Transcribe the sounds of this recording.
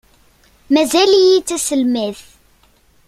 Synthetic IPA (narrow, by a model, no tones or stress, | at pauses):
mæzælijit͡sːæsəlmæθ